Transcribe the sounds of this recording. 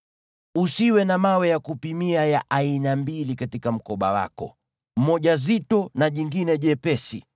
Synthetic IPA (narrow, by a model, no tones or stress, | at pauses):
usiwɛnamawɛjakupimiajaʔainambilikatikam̩kɔɓa̰wa̰kɔ̰ | m̩mɔʄazitɔnaʄiŋɡinɛʄɛpɛsḭ